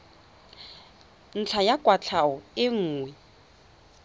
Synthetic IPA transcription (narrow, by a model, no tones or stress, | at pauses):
n̩t͡ɬʰajakʼwat͡ɬʰaɔɪŋ̩ːŋwɛ